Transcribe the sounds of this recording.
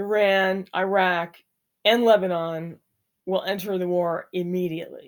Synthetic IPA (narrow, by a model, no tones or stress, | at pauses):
əɹæ̃nʔa̰ɪɹæk | ɨ̃nlɛbɨnɑ̃n | wɪlˠɛ̃ntə˞ðəwɔɹɪmiɾiɨ̰ʔlḭ